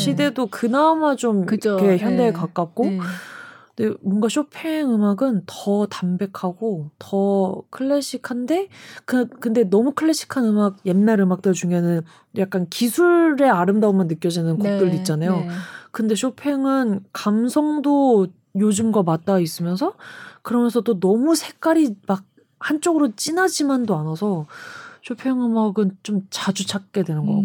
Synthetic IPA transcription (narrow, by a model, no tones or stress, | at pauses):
ɕʰide̞dokɯnamat͡ɕomɯt͡ɕoke̞çjʌnde̞ɭkak͈ak̚k͈o | de̞mwʌŋɡaɕʰopʰeŋɯmaɡɯntʌtambe̞kʰaɡotʌkʰɯɭːeɕ͈ʰikʰande̞kkɯnde̞nʌmukʰɯɭːe̞ɕ͈ʰi̥kʰanɯmaɡ̚je̞nːaɾɯmak̚t͈ɯɭd͡ʑuŋenɯn | jak͈̚ankisʰuɭɾe̞aɾɯmdaomjʌnːɯk͈jʌd͡ʑinɯnkok̚t͈ɯɭdoit̚t͡ɕ͈anajokɯnde̞ɕʰopʰe̞ŋɯnkamsʰʌŋdo | jod͡ʑumɡwamat̚t͈ais͈ɯmjʌnsʰʌkɯɾʌmjʌnsʰʌt͈onʌmusʰe̞k͈aɾimaɡ̚ | hant͡ɕ͈oɡɯɾot͡ɕ͈inad͡ʑimandoanʌsʰʌɕʰopʰe̞ŋɯmaɡɯnt͡ɕomt͡ɕad͡ʑut͡ɕʰak̚k͈e̞dwe̞nɯnɡʌ